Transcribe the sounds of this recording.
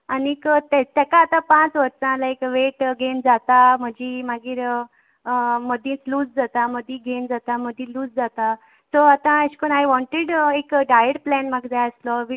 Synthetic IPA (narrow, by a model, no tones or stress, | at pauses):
anikət̪ɛt̪ɛkaːt̪ãpãt͡sʋəɾt͡sãlaekʋeʈɡʱend͡zat̪aməd͡ʑimaɡiːɾ | məd̪ĩt͡sluːd͡zd͡zat̪aməd̪ʱĩɡʱend͡zat̪aməd̪ʱĩluːd͡zd͡zat̪a | sɔat̪ãəɕkənajʋɔ̃ɳʈeɽekɖajəɾplɛnmaɡd͡zajəslɔʋi